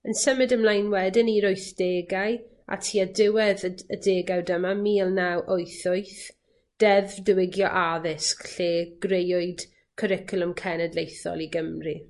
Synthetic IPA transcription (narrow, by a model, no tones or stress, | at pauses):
ənsəmɪdəmlˠajnwɛdɪniɾʊɨθd̥eːɡaj | a̰tʰiːadɪwɛðədeːɡawdəmamiːlˠnawʔoɨθʊɨθ | d̥ɛvdəwɪɡjɔʔaðɪskɬeːɡ̥rejʊɨd̥ | kʰəɾɪkʰʊlˠəmkʰɛnɛdlejθɔ̰lˠiɡəmri